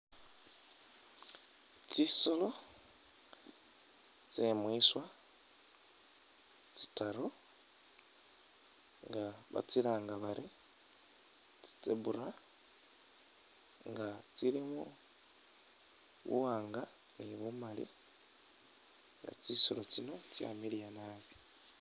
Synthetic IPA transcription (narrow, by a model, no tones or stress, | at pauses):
t͡siso̞lo | t͡semwiswa | t͡si̥taɾo | ŋɡaβa̰t͡siɾaːŋɡaβaɾʔi | t͡si̥t͡seβuɾa | ŋɡat͡siɾimu | βṵwaːŋɡaniβumalḭ | ŋɡa̰t͡sisolo̞t͡sino̞t͡sja̰ːmiɾijanaːzi